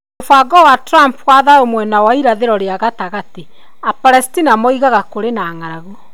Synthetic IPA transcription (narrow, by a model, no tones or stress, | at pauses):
ofaɡɔwatɾampwaðaomwɛnawaiɾaðeɾɔɾeaɣataɣati | apaɾɛstinamɔiɣaɣakoɾenaŋaɾaɣo